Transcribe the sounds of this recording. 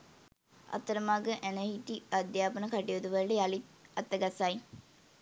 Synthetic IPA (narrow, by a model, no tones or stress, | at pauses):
a̰t̪ːəɾəmaːɡəʔænəɦit̪iad̪jaːpənəkaʈiod̪uʋəɾɖealit̪ɐt̪ːəɡasaj